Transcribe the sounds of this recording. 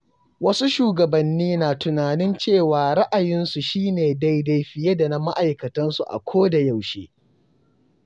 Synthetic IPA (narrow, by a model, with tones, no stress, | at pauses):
wɐ˦su˦ʃuː˨ɡɐ˨bɐ˨nːiː˦naː˨tʊ˨naː˨nɪ˦nt͡ʃeː˦˨waː˨ɽɐ˦ʔa˨jɪ˦nsu˨ʃiː˦neː˨da˦jda˦jɸɪ˦jɐ˦da˨na˦ma˦ʔa˨jkɐ˨tɐ˦nsu˨ʔa̰˨kʷʰoː˦da˨ja˦˨wʃḛː˦